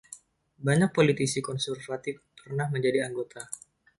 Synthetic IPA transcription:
baɲak̚polit̪isikɔnsɛrfat̪ɪfpərnahməɲd͡ʒadiaŋɡot̪ʰa

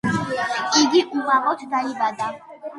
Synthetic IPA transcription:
iɡiʔuɣaʁɔt̪ʰd̪aibad̪a

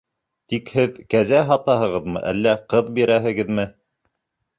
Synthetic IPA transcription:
t̪ikhɘðkæzæɦɑt̪ɑɦɤ̆ʁɤðmɤ̰ʔælːæqɤðbiɾæɦɘ̆ɡɘðmɘ

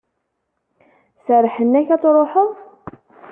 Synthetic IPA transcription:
səɾˤːħənːæçɑt͡s̪ˤɾˤoħəðˤ

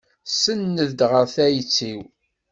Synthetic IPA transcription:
sənːəðd̪ʁəɾθæjt͡sːiw

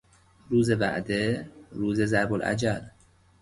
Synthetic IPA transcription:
ɾuːze̞bæ̰ʔd̪eɾuːze̞zæɾbolʔæ̰d͡ʒæl

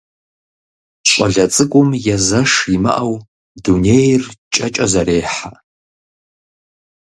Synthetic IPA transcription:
ɕʼɐɮɐt͡sʼɨkʷʼʊmjɛzɐʂimɐ̰ʔɐw | dunejrt͡ʃʼɐt͡ʃʼɐzɐɾeːħa

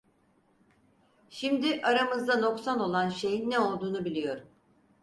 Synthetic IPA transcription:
ʃimd̪ɪʔaɾamɯzd̪ano̞ksano̞lˠanʃe̞jinːɛo̞lˠd̪uːnubilʲijo̞ɾ

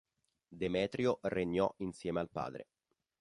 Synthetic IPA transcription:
d̪emɛːt̪ɾjoreɲːɔinsjɛːmealpa̰ːd̪ɾḛ

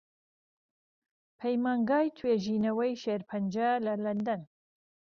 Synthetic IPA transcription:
pʰɐjmaːŋɡɑːjt̪ʰweːʒiːnɐwɐjʃeːɾpʰɐnd͡ʒɐlɐlɐnd̪ɐn

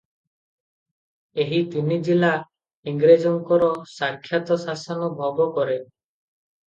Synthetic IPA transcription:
eɦit̪inid͡ʒila | iŋɡɾed͡ʒɔŋkɔɾɔsaɾkʰːjat̪ɔsasɔnɔbʱɔɡɔkɔɾe

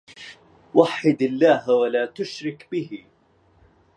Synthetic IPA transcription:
waħːɪd̪alːaːɦwalaːt̪ʊʃɾɪkbɪhɪ

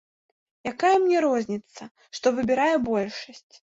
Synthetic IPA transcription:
jakajɐmnʲɛɾɔzʲnʲit̪sɐ | ʂt̪ɔvɨbʲɪɾajɛbɔlʲʂɐsʲt͡sʲ

